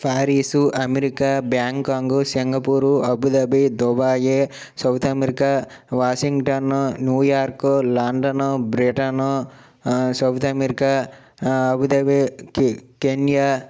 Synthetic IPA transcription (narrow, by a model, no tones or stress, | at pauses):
pʰaːɾiːsuʔɐmeɾikaːbjaːŋkaːŋɡusiŋɡɐpuːɾuɐbʱud̪ɐbid̪obaːje | sɐwt̪ʰɐmeɾikaː | ʋaːsiŋɡʈɐnonjuːjaːɾkolɐɳɖɐnobɾiʈɐno | sɐwt̪ʰɐmeɾika | ɐbud̪ɐbi | kenija